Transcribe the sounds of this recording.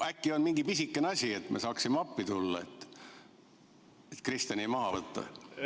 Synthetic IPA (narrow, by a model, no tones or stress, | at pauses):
ækːionmiŋɡipisikˑːeneɑsʲie̞t̪ːmesɑːksimɑpːit̪ulːɑet̪ːˑ | et̪krist̪ɑnʲimɑɦɑvɤt̪ːɑ̰